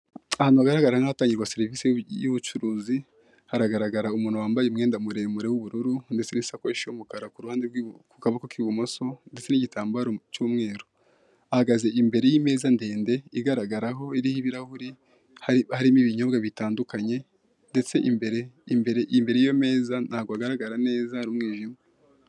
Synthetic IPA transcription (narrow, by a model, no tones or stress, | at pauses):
ahaːnhuβaɡaɾaɡaɾaɾaŋahataːɲɟiɾɡwase̞ɾivisejuβut͡ʃuɾuːzi | haɾaɡaɾaɡaɾaumuːnhuwaːmbajeumŋe̞ːndamuɾe̞muɾewuβuɾuɾunde̞t͡se̞nisakoiʃiomukaɾakuɾuhaːndeɡkukaβakokiβumo̞so̞ndet͡seniɟitaːmbaɾot͡ʃuːmŋe̞ːɾo | ahaɡaze̞imbe̞ɾe̞jime̞ːzande̞ːnde̞iɡaɾaɡaɾaɦo̞iɾihiβiɾahuɾi | hahaɾimiβiɲo̞bɡaβitaːndukaɲe̞ | nde̞t͡se̞ʔimbeɾembeɾeimbe̞ɾejijo̞me̞ːzanaːɡoaɡaɾaɡaɾane̞ːzahaɾumŋiːʒime